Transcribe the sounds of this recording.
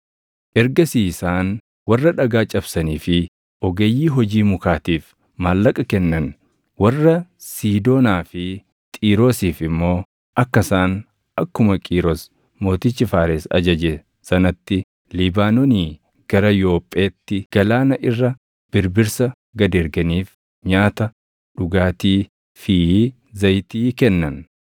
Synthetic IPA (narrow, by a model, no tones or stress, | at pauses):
ʔɛɾɡɐsiːsaːn | wɐrːɐᶑɐɡaːt͡ʃʼɐbsɐniːfɪ | ʔɔɡejːiːɦɔd͡ʒiːmʊkaːt̪iːf | maːlːɐkʼɐkɛnːɐn | wɐrːɐsiːd̪o̞ːnaːfɪ | t̪ʼiːɾo̞ːsiːfɪmːo̞ː | ʔɐkːɐsaːn | ʔɐkːʊmɐkʼiːɾos | mo̞ːt̪ɪt͡ʃːɪfaːɾesɐ̰d͡ʒɐd͡ʒɛ | sɐnɐt̪ːɪ | lɪbaːnɔniː | ɡ̥ɐɾɐjo̞ːpʼːeːt̪ːɪɡ̥ɐlaːnɐʔɪrːɐ | b̥ɪɾbɪɾsɐ | ɡɐd̪ɛɾɡɐniːf | ɲaːt̪ɐ | ᶑʊɡaːt̪iː | fi | zɐjt̪iːkɛnːɐn